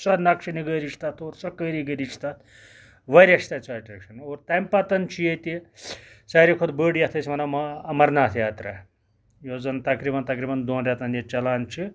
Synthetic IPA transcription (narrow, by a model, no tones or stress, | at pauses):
sɐɾnakʂiniɡəːɾit͡ʃʰt̪at̪oːɾsɐkəːɾiɡəɾit͡ʃʰt̪at̪ | ʋɐɾʲɐʃʰt̪at͡sɐːʈɾekʂɐnoːɾt̪ɐmpɐt̪ɐnt͡ʃʰijet̪i | sɐːɾikʰod̪bəːɽjɐt̪ʰɐsʰimɐnɐmɐɐmɐɾnaːt̪ʰjaːt̪ɾɐ | joːd͡zɐnt̪ɐkɾiːbɐnt̪ɐkɾibɐnd̪õːnɾʲat̪ɐnjet͡ʃɐlaːnt͡ʃʰi